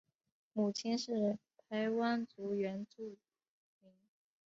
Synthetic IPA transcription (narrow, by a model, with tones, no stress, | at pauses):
mu˨˩t͡ɕʰi˥nʂɻ̩˥˩pʰa˧˥ɪwa˥nt͡su˧˥ɥɛ˧˥nt͡su˥˩ | mi˧˥ŋ